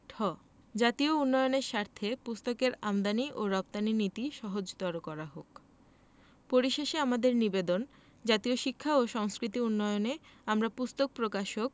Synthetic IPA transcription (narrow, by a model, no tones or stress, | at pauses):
ʈʰɔ | d͡ʑat̪iounːɔjoneɾʃaɾt̪ʰepust̪okeɾamd̪aniʔoɾɔp̚t̪aninit̪iʃɔɦod͡ʑt̪aɾokɔɾaɦok | poɾiʃeʃeamad̪eɾnibed̪on | d͡ʑat̪ioʃikʰːaoʃɔŋskɾit̪̬iunːɔjoneamɾapust̪ok̚pɾokaʃok̚